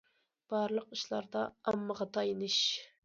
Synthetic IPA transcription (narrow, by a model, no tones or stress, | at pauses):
b̥ɑɾlˠəqiʃlˠɑ̰ɾd̪ɑɑmːəʁɑt̪ʰɑjnɨʃ